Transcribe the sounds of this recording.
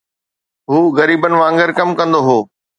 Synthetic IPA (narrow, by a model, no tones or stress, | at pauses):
ɦuːɣɐɾiːbənɪ̆ʋãːŋɡəɾkɐmkɐ̃nd̪oɦoː